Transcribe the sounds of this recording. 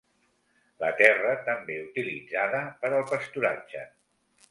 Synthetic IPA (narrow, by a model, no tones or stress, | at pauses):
lət̪ɛrət̪əmbeut̪ilid͡zaðəpəɾəlˠpəst̪uɾa̰d͡ʒə̰